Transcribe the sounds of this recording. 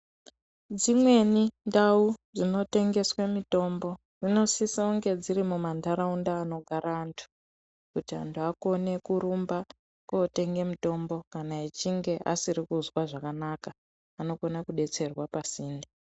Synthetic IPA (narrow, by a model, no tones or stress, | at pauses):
d͡zimwe̞nindaud͡zino̞te̞ŋɡe̞swemito̞mbo̞ | d͡zino̞sisauŋɡe̞d͡ziɾimumandaɾaundaːno̞ɡʱaɾaːntʰu̥ | kutia̰ntʰuako̞ne̞kuɾumba | koːte̞ŋɡe̞mito̞mbo̞kanait͡ʃiŋɡe̞ʔa̰sirikuzwaʐakanakaː | no̞ko̞nakuɗe̞t͡se̞rwapasiːnda